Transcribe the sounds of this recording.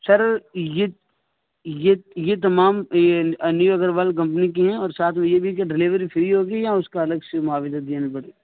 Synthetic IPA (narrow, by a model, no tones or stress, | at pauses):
sɐɾje | jejet̪̬ɐmaːm | njuɐɡəɾbaːlk̬ɐ̃mp̬nik̬iɦɛ̃ɔːɾsaːt̪ʰmẽjebʱikeɖɪliːʋɾifʰɪɾiɦoːɡijãʊskaɐləɡsemʊaːʋɪzəd̪eːnapɐɽeː